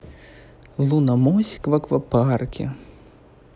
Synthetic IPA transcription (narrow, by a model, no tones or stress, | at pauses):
lˠunɐmɔsʲi̥kvɐkvɐparkʲḭ